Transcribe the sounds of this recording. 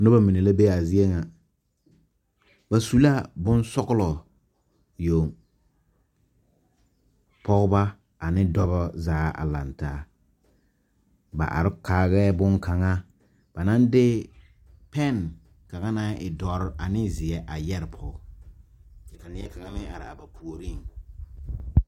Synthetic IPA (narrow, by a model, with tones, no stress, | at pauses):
nʊ˦ba˦mi˨ne˨la˦be˦˨a˨zi˦e˦ŋa˨ | ba˨su˦la˦˨bʊ˦n˦sɔ˦ɣʊ˦lɔ˨ | jo˨ŋ | pʰɔ˦ɣʊ˦ba˦ | a˨nɪ˦dɔ˦βɔ˦zaː˦a̰˨la̰˨ntaː˨˦ | ba̰˨ʔa̰˨ɾɪ˦kʰaː˨ɣɛː˦bʊ˦ŋka˨ŋa˦ | b̥a˨na˦ndɪ˦ | pɛ˦n | ka˨ŋa˦na˦ʔɪ˨dɔ˨˦ɾɪ˦ʔa˨nɪ˦zɪ˨ɛ˦ʔa˨jɛ˦ɾɪ˨pʰɔ˦ɡ | t͡ʃɛ˨ka˨nɪ˦ɛ˦ka˨ŋa˦nɪ˦a̰˨ɾɪ̰˨a̰˨ba˨pʰu˨o˨ɾi˦˨ŋ